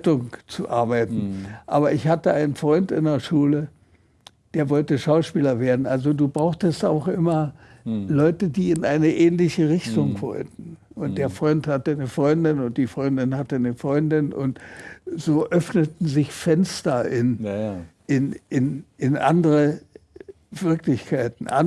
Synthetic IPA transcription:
tʊŋt͡suʔaɐbaɪtn̩ʔa̰ːβɐʔɪçhatəaɪnənfʁ̥ɔʏntɪ̰ndeɐʃuːlə | d̥eːɐvɔltəʃaʊʃpiːlɐveːɐdn̩ʔalzoduːbʁaʊxtəsta̰ʊxʔɪmɐ | lɔʏtədiːɪnʔaɪnəʔɛːnlɪçəʁɪçtʊŋv̥ɔ̰ltn̩ | ʊnt̚d̥eːɐfʁ̥ɔʏnthatənəfʁ̥ɔʏndɪnʊnt̚d̥iːfʁ̥ɔʏndɪnhatənəfʁ̥ɔʏndɪnʔʊ̰ntz̥oːʔœfnətn̩zɪçfɛnstɐʔɪn | ʔɪnʔɪnɪnʔa̰ndəʁə | v̥ɪɐklɪçkʰaɪtn̩ʔa̰

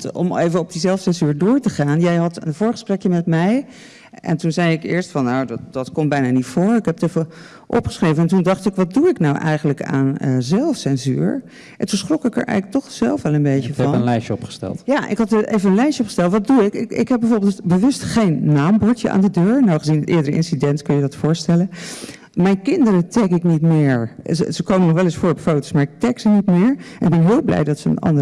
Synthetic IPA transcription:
ɔ̰mejvəɔb̚dizɛlˠfsɛnzyːɹdʊːɹtəχaːnjɛjɦɑtə̰nvʊːɹχə̥sprɛkjəmɛtmɛj | ɛ̰ntunzɛjɪkɪ̰ːɹstfɑnːowdtd̥ɑtkɔmbɛjnaːnitfʊːɹɪkɦɛpətejvə | ʔɔ̰pχə̥sχrejvənɛntundɑχtɪkʋɑt̚duɪknawʔɛ̰jχənləka̰ːnəzɛlˠfsɛnzy̰ːɹ | ʔʔɛntunsχrɔkɪkə̰ɹʔɛ̰jχələk̚tɔχz̥ɛ̰lˠfʋɛlˠənbejcəɛənlɛjʃəɔpχə̥stɛ̰lˠtjaːʔɪ̰kɦɑtəejvənənlɛjʃəɔpχəstɛlˠtʋɑt̚duɪkɪɪ̰kɦɛbɛjvoɹbɪlˠtbəʋɵstχejnːaːmbɔɹtəʔa̰ːndədøːɹnɔwχəzinətʔɪːɹdəɾəɪ̰nsidɛntkɵnjədɑtfʊːɹstɛlən | mɛjnkɪndəɾətɛkɪknitmɪːɹəsəkowmənɔχʋɛlɪsfʊːɹɔpfowtosmaːɹɪk̚tɛksənitmɪːɹɛnɪɡ̚bɛnɦɪːlˠblɛ̰jdɑtsəə̰nɑ̰ndə

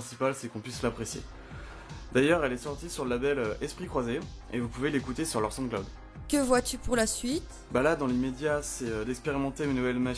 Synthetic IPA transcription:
sipalsɛkɔ̃pɥislapχesjḛ | d̪ajœʁɛlɛsɔʁt̪isyʁləlabɛløɛspχikχwaze | evupuvelekut̪esyʁlœʁsɑ̃klad̪ | kəvwat̪ypuʁlasɥit̪ | balad̪ɑ̃lemed̪jasɛød̪ɛkspeʁimɑ̃t̪emanuvɛlma

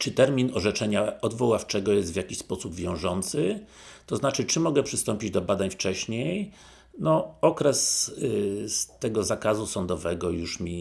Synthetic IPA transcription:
t͡ʂɘt̪ɛɾmʲinɔʐɛt͡ʂɛɲaɔd̪vɔwaft͡ʂɛɡɔjɛst̪vʲjakʲiɕspɔsubvʲjɔ̃w̃ʐɔnt̪sɘ | t̪ɔznat͡ʂɘt͡ʂɘmɔɡɛpʂɘst̪ɔmʲpʲid͡ʑd̪ɔbad̪aɲft͡ʂɛɕɲej | nɔɔkɾɛs | st̪ɛɡɔzakazusɔnd̪ɔvɛɡɔjuʂmʲi

